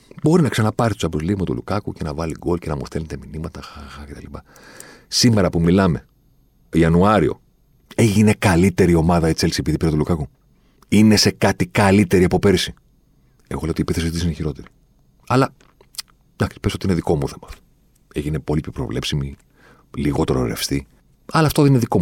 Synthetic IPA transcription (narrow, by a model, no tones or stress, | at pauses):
bo̞ɾinɐksɐnɐpɐɾitosɐbɾozlimɐt̪ṵlṵkɐkuce̞nɐvɐliɡo̞lcenɐmust̪elnet̪eminimɐt̪ɐxaxɐce̞t̪ɐlipɐ | sime̞ɾɐpumilɐme̞ | iɐnuɐɾio̞̰ | e̞ʝine̞kɐlit̪e̞ɾio̞mɐðɐit͡selsiepiðipiɾɐt̪ulukɐku | ine̞se̞kɐt̪ikɐlit̪e̞ɾiɐpo̞pe̞ɾisi | eɣo̞leot̪iepiθesiot̪isineçiɾo̞t̪e̞ɾi | ɐlɐ | nɐksi̥pesot̪ineðiko̞muθe̞mɐft̪o̥ | eʝine̞po̞lipʰopɾo̞̰vle̞psimi | liɣo̞t̪eɾoɾefst̪i | ɐlɐːft̪oðenineðiko̞